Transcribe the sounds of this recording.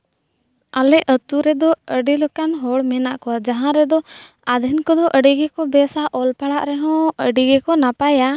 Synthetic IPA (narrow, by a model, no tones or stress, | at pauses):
alɛət̪uɾɛd̪ɔəɖilɔkanɦɔɽmɛnaʔkɔad͡ʒaɦãɾɛd̪ɔ | ad̪ʱinkɔd̪ɔʔəɖiɡɛkɔbɛsaʔɔlpaɽaʔɾɛɦɔ̃əɖiɡɛkɔnapaja